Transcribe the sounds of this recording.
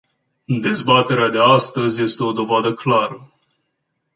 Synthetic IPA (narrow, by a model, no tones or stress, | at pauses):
d̪e̞zbat̪e̞ɾead̪e̞ast̪əzʲje̞st̪e̞o̞d̪o̞vad̪əklaɾə